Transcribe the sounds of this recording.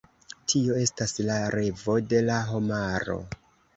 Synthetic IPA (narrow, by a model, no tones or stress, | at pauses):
tʰio̞e̞staslaɾʔe̞vo̞de̞laɦo̞maɾo̞̰